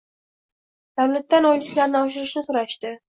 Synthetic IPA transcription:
d̪̥awlat̪ːanɒjlɪkʲlaɾnɪɒʃ̬ɪɾɪʃnɪsʊɾaʃt̪ɪ

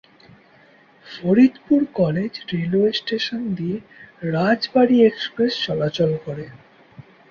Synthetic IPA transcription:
foɾid̪puɾkɔled͡ʑɾeloesʈeʃond̪ieɾad͡ʑbaɽiekspɾest͡ɕɔlat͡ɕolkoɾe

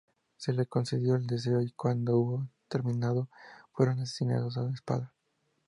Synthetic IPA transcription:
se̞le̞ko̞nse̞ðjo̞eld̪e̞s̬e̞oikwand̪o̞uβo̞t̪e̞ɾmĩnað̞o̞fwe̞ɾo̞nas̬e̥sina̰ð̞o̞s̬alaespa̰ða

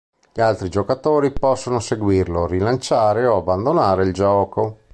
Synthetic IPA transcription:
ʎialt̪ɾid͡ʒokat̪oːɾipɔsːonoseɡwirlorilant͡ʃaːɾeoabːand̪onaːɾeild͡ʒɔːko

